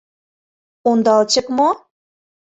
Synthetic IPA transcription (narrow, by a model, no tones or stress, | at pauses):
ond̪ɑlt͡ɕə̆kmo